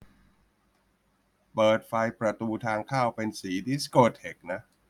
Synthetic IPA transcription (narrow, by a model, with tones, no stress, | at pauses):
pɤː˨˩t̪̚fa˧jpɾa˧t̪uː˧t̪ʰaː˧ŋkʰaː˥˩wpe˧nsiː˩˦di˦˥skoː˧˩t̪̚ʰhe˨˩k̚na˦˥ʔ